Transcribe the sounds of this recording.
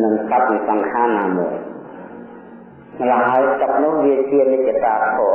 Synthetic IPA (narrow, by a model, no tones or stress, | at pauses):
nɨŋsap̪̚sɑŋkʰaːnːaːmuəj | mlaɦaəjskap̚nuːhʋiət͡ɕiənɨc̚ːat̪aːp̪ʰːɔ